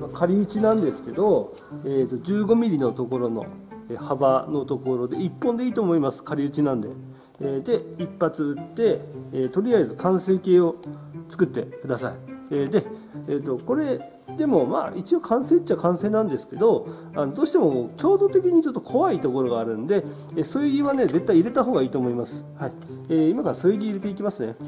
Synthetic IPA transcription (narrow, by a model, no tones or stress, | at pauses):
makaɾʲiɯ̟t͡ɕinãnd̪e̞sɨ̥ke̞d̪o̞ | eːt̪ːo̞d͡ʑɨːɡo̞mʲiɾʲino̞t̪o̞ko̞ɾo̞no̞̰ | ehabano̞t̪o̞ko̞ɾo̞d̪e̞ipːõ̞nd̪e̞iːt̪o̞ːmo̞imasɨ̥kaɾʲiɯ̟t͡ɕinãnd̪e̞̰ː | d̪e̞ipːat͡sɨɯt̪ːe̞ːt̪o̞ɾʲiazɨkʰãɰ̃se̞ːke̞ːo̞t͡sɨ̥kɯ̟t̪ːe̞kɯ̟d̪asaieːd̪e̞ | et̪o̞ko̞ɾe̞ | d̪e̞mo̞ma̰it͡ɕio̞kʰãɰ̃se̞ːt͡ɕːiakãɰ̃se̞ːnãnd̪e̞sɨ̥ke̞d̪o̞ | anod̪o̞ːɕi̥t̪e̞mo̞okʲo̞ːd̪o̞t̪e̞kʲiɲ̟it͡ɕo̞t̪ːo̞kʰo̞βait̪o̞ko̞ɾo̞ɡaːɾɯ̟̃nd̪e̞ | eso̞ːjɯɡʲiβane̞d͡ze̞t̪ːaiːɾe̞t̪aɦo̞ːɡaiːt̪oːmo̞imasɨ̥haieimakaɾasojɯɡʲiːɾe̞t̪e̞ikʲimasɨne̞